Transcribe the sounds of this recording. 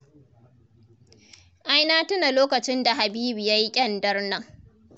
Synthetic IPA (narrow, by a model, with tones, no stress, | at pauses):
ʔa˦jnaː˦tʊ˦na˨loː˦kɐ˨t͡ʃɪ˦nda˨ɦa˨biː˦bi˨ja˦ji˦kʲʼɐ˦ndɐ˦rnɐ˦ŋ